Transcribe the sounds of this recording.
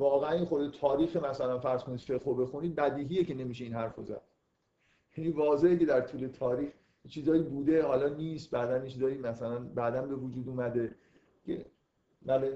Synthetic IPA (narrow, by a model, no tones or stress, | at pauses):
vɒːɣeæninxod̪et̪ʰɒːɾiːxemæsælænfæɾz̥kʰo̞nid̪fe̞ɣɾobe̞xuniːd̪̚bæd̪iːɦiːje̞ce̞ne̞miːʃ̬e̞iːnɦæɾfozæ̰d̪̥ | jæniːvɒːze̞hece̞d̪æɾt̪ʰuːle̞t̪ʰɒːɾiːx | jet͡ʃʰiːzɒːjiːbuːd̪e̞hɒːlɒːniːst̪̚bæːd̪ænjet͡ʃʰiːzɒːjimæsælænbæd̪ænbe̞vod͡ʒuːd̪uːmæd̪e̞ | cʰḛ | mæle